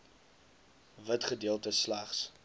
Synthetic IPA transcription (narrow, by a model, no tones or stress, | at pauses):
vətχədiəlˠtəslæχs